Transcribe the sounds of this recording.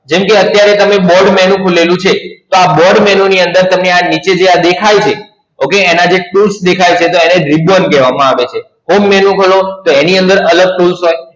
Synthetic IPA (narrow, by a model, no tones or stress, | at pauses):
d͡ʒɛmkeət̪jaɾet̪əmebɔɖmɛnũkʰulelũt͡ʃʰet̪oabɔɖmɛnoniənd̪əɾt̪əmneanit͡ʃed͡ʒead̪ekʰajt͡ʃʰe | okeːnad͡ʒeʈulsd̪ekʰajt͡ʃʰet̪oeneɖɾibənkɛʋamãaʋet͡ʃʰe | ɦomːɛnũkʰolot̪oeniənd̪əɾələɡ̚ʈulsɦoj